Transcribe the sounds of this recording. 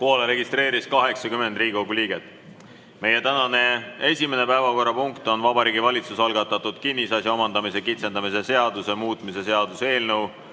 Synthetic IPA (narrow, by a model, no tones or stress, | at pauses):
poːleɾe̞ɡist̪ɾe̞ːɾiskɑɦe̞ksɑkyme̞nd̪riːɡikoɡulʲiːɡ̥et̪ːˑ | me̞je̞t̪ænɑne̞e̞sʲime̞ne̞pæevɑko̞rːɑpuŋkt̪o̞nvɑbɑɾiːɡ̥ivɑlʲit̪susɑlɡɑt̪ːˑɑt̪ːˑud̪̥kinːisɑsjɑo̞mɑnd̪ɑmise̞kit̪se̞nd̪̥ɑmise̞se̞ɑd̪̥usemuːt̪ˑmise̞se̞ɑd̪use̞ːlnew